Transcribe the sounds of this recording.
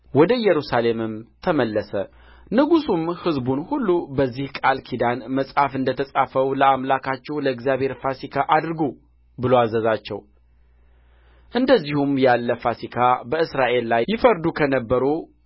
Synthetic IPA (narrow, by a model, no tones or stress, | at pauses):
wɔd̪əjːɛɾusale̞mɨmt̪ʰəməlːəsə | nɨɡusumhɨzbunhulːubəzːihkʼalkʰid̪anməsʼafɨnd̪ət̪ʰəsʼafəwləamlakʰat͡ʃːɛwləɨɡzjaβhe̞ɾfasikʰaʔad̪ɾɨɡu | bɨloazəzat͡ʃːɛ̰w | ʔɨnd̪əzːihumjalːəfasikʰabəɨsɾaʔe̞lːajjɪfəɾd̪ukʰənəbːəɾu